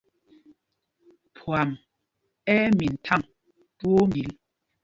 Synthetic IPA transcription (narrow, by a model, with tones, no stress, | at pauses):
pʰwa˨m | ɛ˦mi˨n̩˨tʰa˦˨ŋ | two˦mbi˨˦l